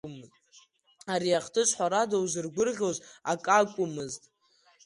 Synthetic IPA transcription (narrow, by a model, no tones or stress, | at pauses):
m | aɾiaχtʰɨʃʷħʷaɾadawzɨrɡʷʊrʁʲozakʼakʷʼʊmɨztʼ